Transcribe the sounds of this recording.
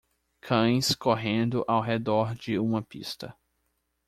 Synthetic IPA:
kʰɐ̃j̃skoɦẽnd̪ʊʔawɦed̪ɔɾd͡ʒɪũmɐpḭst̪ɐ̰

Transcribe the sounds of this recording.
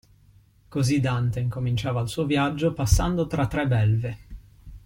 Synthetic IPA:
kozid̪ant̪eiŋkomint͡ʃaːvaːlsuːovjad͡ʒːopasːand̪ot̪ɾat̪ːɾɛbɛlve

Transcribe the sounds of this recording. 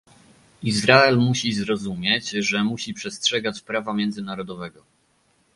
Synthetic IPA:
izɾaɛlmuɕizɾɔzumʲjɛt͡ɕʐɛmuɕipʂɛstʂɛɡat͡ɕpɾavamʲjɛnd̪zɘnaɾɔd̪ɔvɛɡɔ

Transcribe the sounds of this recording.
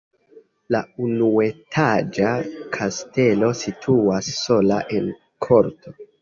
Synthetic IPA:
launue̞tʰad͡ʒakʰaste̞lo̞sitʰuasːo̞la̰ʔe̞n | kʰo̞ɾtʰo̞

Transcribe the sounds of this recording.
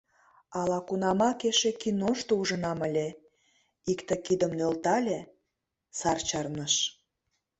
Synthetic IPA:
ɑlɑkunɑmɑkeʃekinoʃt̪ouʒə̆nɑməlʲe | ikt̪ekid̪əmnølt̪ɑlʲe | sɑrt͡ɕɑrnəʃ

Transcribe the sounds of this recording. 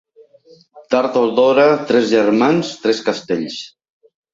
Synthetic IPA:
t̪aɾt̪oðɔɾat̪ɾɛzʒɛɾmanst̪ɾɛskast̪eʎs

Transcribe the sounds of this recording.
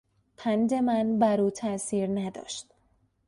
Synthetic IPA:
pʰænd̪e̞mænbæɾuːt̪ʰæsiːɾnæd̪ɒ̰ːʃt̪

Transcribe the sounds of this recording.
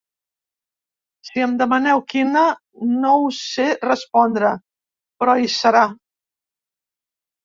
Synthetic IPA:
siəmd̪əmənɛwkinə | nowserəspɔnd̪ɾə | pɾɔisəɾa

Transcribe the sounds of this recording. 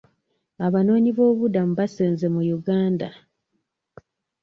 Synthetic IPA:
aβano̞ːɲiβo̞ːβudamuβaseːnze̞mujuɡaːnda̰

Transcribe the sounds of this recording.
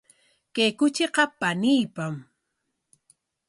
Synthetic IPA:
kejkʊt͡ʃeqɑpanijpam

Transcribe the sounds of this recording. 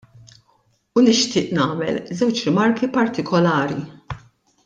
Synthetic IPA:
unɪʃt̪ɪːʔnɐːmɛ̰lzɛwt͡ʃɾɪmɐɾkipɐɾt̪ɪkʰɔlɐːɾi

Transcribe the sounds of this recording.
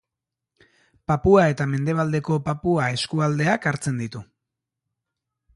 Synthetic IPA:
papuae̞t̪ame̞nd̪e̞β̞ald̪e̞ko̞papuae̞skuald̪e̞akaɾt͡se̞nd̪it̪u

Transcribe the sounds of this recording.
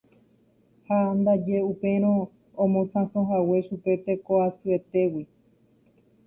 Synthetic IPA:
hand̪ad͡ʒe̞upẽ̞ɾ̃õ | õmõsãsõɦawe̞ʃupe̞t̪e̞koasɨe̞t̪e̞wi

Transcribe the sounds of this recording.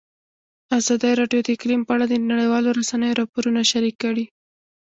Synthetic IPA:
azɑd̪əjɾɑɖjod̪əɪklimpəaɽad̪ənaɽəjwɑloɾasanəjoɾɑpoɾunaʃaɾikːaɽi

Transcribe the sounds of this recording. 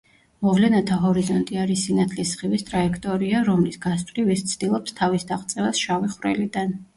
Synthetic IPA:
mɔvlɛnat̪ʰaɦɔɾizɔnt̪ʼiaɾisinat̪ʰlisχivist̪ʼɾaɛkʰt̪ʼɔɾiaɾɔmlisɡast̪ʰʼlivist̪sʰd̪̥ilˠɔpst̪ʰavisd̪aχt̪sʼɛvɛsʃaviχwvɾɛ̰lid̪an

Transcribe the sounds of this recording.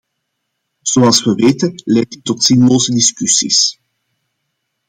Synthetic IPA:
z̥oɑlˠsʋəʋeːtənlɛjk̚tətːɔtz̥inloːzədiskysḭs

